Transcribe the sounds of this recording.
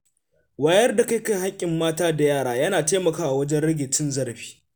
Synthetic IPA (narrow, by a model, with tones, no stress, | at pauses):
waː˨jɐ˦rda˨ka˦jka˦jha˦kʲʼːɪ˨mːaː˦taː˦da˨jaː˦˨ɽaː˨jɐ˦naː˨teː˦mɐ˨kaː˦ʔa˨wɐ˦d͡ʒɛ˦nɽɪ˦ɡʲɪ˨tɪ˦nzɐ˦ɽɸi̥ː˦